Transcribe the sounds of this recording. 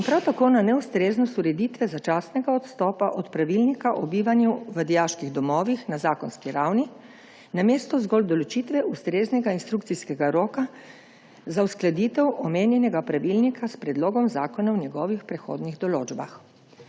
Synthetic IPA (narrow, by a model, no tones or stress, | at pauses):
inpɾawt̪akoːnanɛust̪ɾeːznɔst̪uɾɛd̪iːt̪ʋɛzat͡ʃaːsnɛɡaɔt̪st̪ɔːpaʔɔt̪pɾaʋilnikaʔɔbiːʋanjuʋəd̪ijaʃkiɣd̪ɔmɔːʋixnazaːkɔnskiɾawni | nameːst̪ɔzɡɔld̪ɔlɔt͡ʃit̪ʋɛust̪ɾeːznɛɡainst̪ɾukt̪siskɛɡaɾoːka | zawsklad̪it̪ɛwʔɔmeːnjɛnɛɡapɾaʋilnikaspɾɛd̪loːɡɔmzaːkɔnawnjɛɡɔːʋixpɾɛxo̰ːd̪niɣd̪ɔloːd͡ʒba̰x